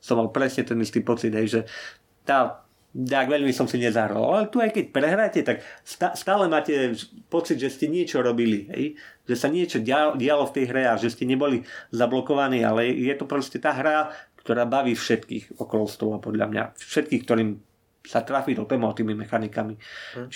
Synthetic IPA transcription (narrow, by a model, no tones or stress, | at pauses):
sɔmːalpɾɛsɲɛt̪ɛnist̪iːpɔt͡sid̪ɦɛjʒɛ | t̪aː | d̪aɡʋɛʎmisɔmsiɲɛzaɦɾa̰lalɛt̪uajkɛc̚pɾɛɦɾajcɛt̪akst̪ast̪aːlɛmaːcɛpɔt͡sid̪ʒɛscɛɲɪɛt͡ʃɔɾɔbiliɦɛ̰jʒɛsaɲɪɛt͡ʃɔaɟɪalɔft̪ɛjɦɾɛaʒɛscɛɲɛbɔlizablɔkɔʋaniːa̰lɛjɛt̪ɔpɾɔscɛt̪aːɦɾakt̪ɔɾaːbaʋiːfʃɛt̪kḭːxɔkɔlɔst̪ɔlapɔd̪ʎa̰mɲa̰fʃɛt̪̚kiːxkt̪ɔɾiːm | sat̪ɾafiːd̪ɔt̪ɛmɔɔt̪iːmimɛxanikamit͡ʃ